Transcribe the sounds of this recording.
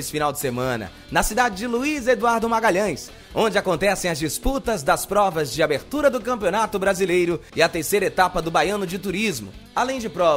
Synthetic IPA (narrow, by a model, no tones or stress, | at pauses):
sɪ̥finawd͡ʒɪsemɐ̃nɐ̰ | nɐsid̪ad͡ʒɪd͡ʒɪluized̪uaɾd̪ʊmaɡaʎɐ̃j̃s | õnd͡ʒɪakõnt̪ɛsẽj̃ɐzd͡ʒisput̪ɐzd̪ɐspɾɔvɐzd͡ʒɪabeɾt̪uɾɐd̪ʊkɐ̃mpionat̪ʊbɾazilejɾʊɪɐt̪eɾsejɾɐet̪apɐd̪ʊbajɐ̃nʊd͡ʒɪt̪uɾizmʊ̰alẽj̃d͡ʒɪpɾɔ